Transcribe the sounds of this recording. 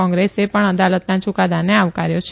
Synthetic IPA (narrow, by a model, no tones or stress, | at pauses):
ɔ̃ŋɡɾesepəɳəd̪alət̪nat͡ʃukad̪aneaʋkaɾjot͡ʃʰ